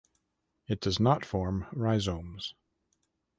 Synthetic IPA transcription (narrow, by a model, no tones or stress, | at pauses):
ɨt̚d̥ʌznətfɔɹmɹaɪzõmz̥